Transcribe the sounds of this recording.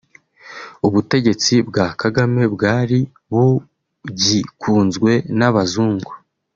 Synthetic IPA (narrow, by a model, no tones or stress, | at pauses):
uβute̞ɟe̞t͡sibɡaːkaɡame̞bɡaːɾi | βu | ɟikʰuːnzɡwe̞naβazuːŋɡo